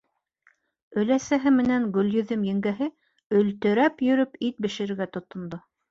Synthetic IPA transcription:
ɵ̆læsæɦɘmɘ̆næŋɡɵ̆ljɵ̆ðɘmjɘ̆ŋɡæɦɘ | ɵ̆lt̪ɵ̆ɾæpjɵ̆ɾɵpit̪̚bɘ̆ʃɘ̆ɾɘ̆ɾɡæt̪ŏt̪ːŏnd̪o

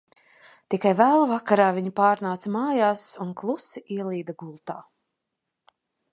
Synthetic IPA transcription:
t̪ikajvæːlˠvakaɾaːviɲipaːɾnaːt̪smaːjaːsunklˠusiʔiɛlˠiːd̪aɡulˠt̪aː

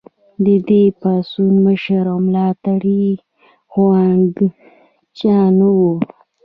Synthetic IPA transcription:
d̪əd̪epɑsunməʃaɾawmlɑt̪aɽi | xwanɡ | t͡ʃɑnwu

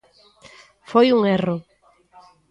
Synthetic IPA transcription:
fojuŋero

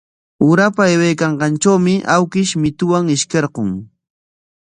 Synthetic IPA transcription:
ʊɾapaewejkɑɴɢɑnt͡ʃawmɪʔawkɪʃmɪt̪ʊwaŋɪʃkeɾɢoŋ

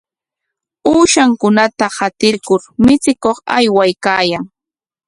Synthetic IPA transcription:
uːʃaŋkʊnat̪ahat̪ɪɾkʊɾmɪt͡sɪkoχa̰jwajkaːjaŋ

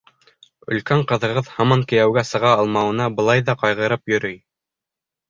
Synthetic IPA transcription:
ɵ̰̆lkæɴqɤ̆ðɤ̆ʁɤðhɑmɑŋkɘ̆jæwɡæsɤ̆ʁɑːlˠmɑwɤ̆nɑbɤ̆lˠɑjðɑqɑjʁɤ̆ɾɤpjɵ̆ɾɘj

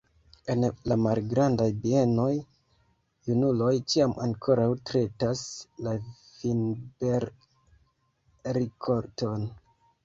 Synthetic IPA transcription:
e̞nlamalɡɾandajbie̞no̞jː | unulo̞jt͡ʃiama̰ŋkʰo̞ɾawtɾe̞tasla | finbeɾ | ɾikʰoɾto̞n

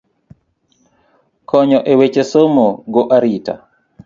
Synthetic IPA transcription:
kʰɔɲɔʔɛwet͡ʃesomoɡɔʔaɾita̰

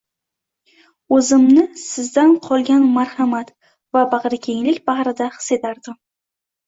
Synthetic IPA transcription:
ɵzɪmnɪsɪzd̪anqʰɒlˠɡʲanmaɾhamat̪ | vabɑʁɾɪkʲʰeŋlɪkʲbahɾɪd̪aχɨ̥se̞t̪aɾd̪ɪm

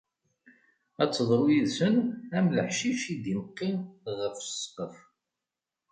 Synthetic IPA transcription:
æt͡sːðˤɾˤujiðsənæmləħʃiʃid̪iməqːiʁəfsqəf

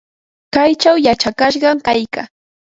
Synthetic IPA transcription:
kajt͡ʃawjat͡ʃakaʃ̬ɢɑŋkajka

